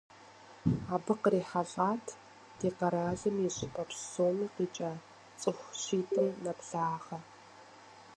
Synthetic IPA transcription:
aːbɨqəriːħaɮaːtʰ | d̥eːqɐɾaːɮɨmiɕʼɪpɐpsoːmiːqiːt͡ʃʼaː | t͡sʼɨxʷɕiːtʰɨmnɐpɮaːʁɐ

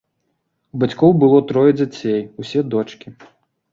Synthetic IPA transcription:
ubat͡sʲkɔwbɨlˠɔt̪ɾɔjɛd͡zʲat͡sʲejusʲɛd̪ɔt͡ʂkʲi

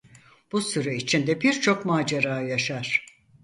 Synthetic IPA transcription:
b̥usyɾɛit͡ʃʰind̪ɛbiɾt͡ʃʰo̞kmaːd͡ʒaɾaːjaʃaɾ̥

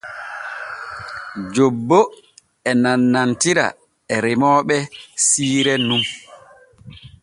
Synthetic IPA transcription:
d͡ʒobːo | ɛnanːantiɾa̰ | ɛɾimɔːɓɛsiːɾɛnum

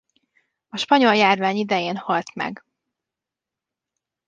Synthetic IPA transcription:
ɒʃpɒɲo̞ljaːrvaːɲid̪ɛjeːnhɒlt̪mɛ̰ɡ

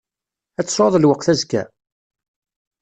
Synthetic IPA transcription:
æt͡sːsˤoðˤlwəqθæzkæ̰

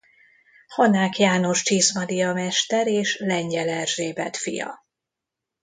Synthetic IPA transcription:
honaːkjaːno̞ʃt͡ʃiːsmɒd̪ijɒmɛʃt̪ɛɾeːʃlɛɲɟɛlɛrʒeːbɛ̰t̪fḭjɒ̰

